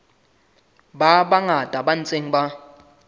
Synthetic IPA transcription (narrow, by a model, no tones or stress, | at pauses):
baɓaŋad̥ʼʱaɓan̩t͡sʼeŋ̩ɓa